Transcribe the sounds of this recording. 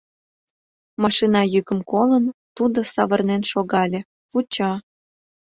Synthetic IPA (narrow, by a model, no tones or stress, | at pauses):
mɑʃinɑjykə̆mkolənt̪ud̪osɑβərnenʃoɣɑlʲĕ | put͡ɕɑ